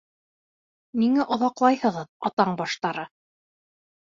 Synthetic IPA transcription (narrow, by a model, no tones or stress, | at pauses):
miŋæʔŏðɑqlˠɑjhɤ̆ʁɤðɑt̪ɑɴbɑʃt̪ɑɾɤ